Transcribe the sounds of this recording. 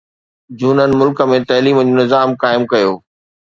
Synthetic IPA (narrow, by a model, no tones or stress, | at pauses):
d͡ʑuːnənɪ̆mʊlkə̆mẽt̪ɐːliːməd͡ʑiːnɪzaːmkaːɪmkɐjoː